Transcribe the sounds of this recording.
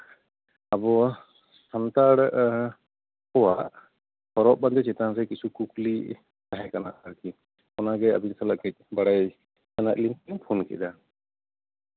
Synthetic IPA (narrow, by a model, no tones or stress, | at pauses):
abɔ | sant̪aɾɛʔ | kɔwaʔ | hɔɾɔʔ̚band̪ɛt͡ʃɛt̪aŋɾɛkisukukli | taɦɛkana̰ʔaɾki | ɔnaɡɛa̰binsalaʔkɛc̚ˀbaɽaj | anaʔ̚limpiŋpʰunkɛ̰ʔd̪a